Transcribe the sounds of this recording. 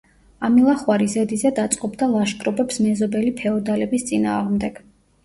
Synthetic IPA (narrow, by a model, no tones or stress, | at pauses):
amilˠaχwaɾizɛd̪izɛd̪at̪sʼqʼɔbd̪alˠaʃkʼɾɔbɛpsmɛzɔbɛlipʰɛɔd̪alɛbist̪sʼina̰ːʁmd̪ɛɡ̥